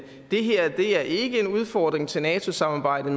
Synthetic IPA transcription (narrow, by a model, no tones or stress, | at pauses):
d̥e̝ɦeɐ̰d̥e̝æɐʔe̝ɡ̥əe̝nuð̞ˠfɒːd̥ʁeŋt͡sʰe̝lnɛːt͡sʰo̝sɑ̈mɑ̈ːb̥ɑ̈ɪ̰d̥ð̩ˠm